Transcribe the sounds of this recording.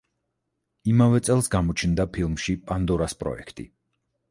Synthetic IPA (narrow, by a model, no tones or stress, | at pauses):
imavɛt̪sʼɛlˠsɡamɔt͡ʃʰnd̪apʰilˠmʃipʼand̪ɔɾaspʼɾɔ̰ɛ̰kʰt̪ʼḭ